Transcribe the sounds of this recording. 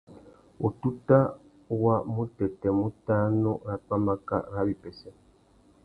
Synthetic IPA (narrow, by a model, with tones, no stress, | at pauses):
o˨tu˦ta˦ | wa˦mu˦tɛ˨tɛ˨mu˦ta˦nɔ˦ɾa˨k͡pa˦ma˦ka̰˦ɾa˦bi˨pɛ˨sɛ˦